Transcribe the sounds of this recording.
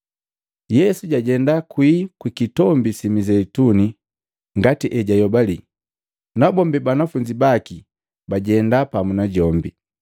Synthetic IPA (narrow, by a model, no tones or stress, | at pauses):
jɛsuɟaɟɛndakwikwikitɔmbisimizɛtuni | ŋɡatiʔɛɟajɔbali | nabɔmbibanafuɲd͡ʒibaki | baɟɛndapamunaɟɔmbi